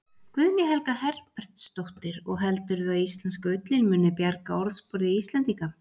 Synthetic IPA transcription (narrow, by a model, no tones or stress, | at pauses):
kvʏðnjɛɦɛlkahɛɾpɛɾ̥t̪st̪owht̪ɪɾɔɣɦɛlt̪ʏɾðʏaðist̪lɛnskaʏt̪lɪlmʏnɪpjaɾkaɔɾθspɔɾðɪist̪lɛnt̪iŋka